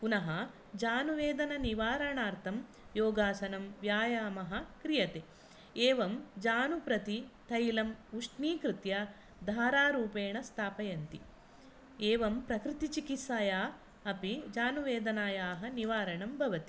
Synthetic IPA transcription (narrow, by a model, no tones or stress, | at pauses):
punɐɦɐ | d͡ʒaːnuʋeːd̪ɐnɐniʋaːɾɐɳaːɾt̪ʰɐm | joːɡaːsɐnɐmʋjaːjaːmɐɦɐ̆kɾijɐt̪eː | eːʋɐmd͡ʒaːnupɾɐt̪it̪ʰɐjlɐmuʂʈniːkɾɪt̪jɐ | d̪ʱaːɾaːɾuːpeːɳɐst̪ʰaːpɐjɐnt̪i | eːʋɐmpɾɐkɾɪt̪it͡ʃikit̪saːjaː | ɐpid͡ʒaːnuʋeːd̪ɐnaːjaːɦɐniʋaːɾɐɳɐmbʱɐʋɐt̪i